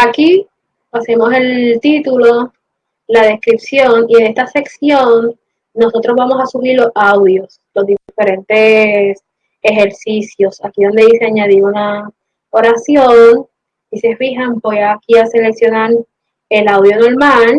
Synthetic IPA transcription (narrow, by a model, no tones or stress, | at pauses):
aki | ase̞mo̞se̞lt̪it̪ulo | lað̞e̞skɾipsjo̞niene̞st̪ase̞ksjo̞nː | o̞so̞t̪ɾozβamo̞sasumiɾlo̞sawðjo̞s | lo̞zðife̞ɾent̪e̞s | exe̞ɾsisjo̞sakiðo̞nd̪e̞iseaɲaðiuna | oɾasjon | ise̞fiɦambo̞jakiase̞le̞ksjo̞naɾ | e̞lawðjo̞no̞ɾmal